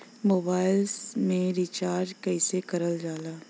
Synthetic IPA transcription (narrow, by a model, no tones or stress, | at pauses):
moːbaːɪlsmẽɾit͡ʃaːɾd͡ʒkɛːsekɐɾəld͡ʒaːlaː